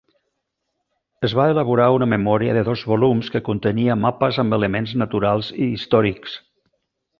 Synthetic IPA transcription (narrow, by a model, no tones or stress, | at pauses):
əzβaeləβ̞uɾaunəməmɔɾiə̰ðəðɔzβulumskəkunt̪əniəmapəzəmbələmenznət̪uɾalˠziːst̪ɔɾiks